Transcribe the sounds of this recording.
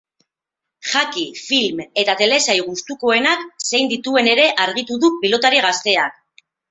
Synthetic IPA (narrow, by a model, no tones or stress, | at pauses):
χakifilme̞t̪at̪e̞le̞sajɣust̪uko̞e̞nakse̞jnd̪it̪ue̞ne̞ɾe̞ʔaɾɣ̞it̪uðupilo̞t̪aɾiɣ̞ast̪e̞ak